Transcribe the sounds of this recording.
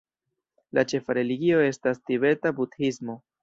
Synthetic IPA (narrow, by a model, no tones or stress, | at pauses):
lat͡ʃe̞faɾe̞liɡio̞e̞stastiβe̞ɾtabudhismo̞